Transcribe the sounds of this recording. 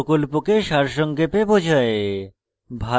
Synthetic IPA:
kolpokeʃaɾʃɔŋkepebod͡ʑʱae | bʱa

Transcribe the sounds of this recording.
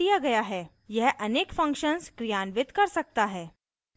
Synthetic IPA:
ijaɡɐjaɦɛː | jɛɦʔɐneːkfɐ̃ŋkʃənskɾijanʋɪt̪kɐɾsɐk̚t̪aɦɛː

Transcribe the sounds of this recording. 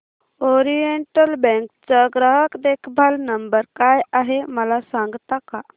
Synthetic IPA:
oɾijeɳʈəlbɛ̃ŋkt͡səɡɾəɦəkd̪ekʰbʱalnəmbəɾkajaɦeməlasãŋɡt̪aka

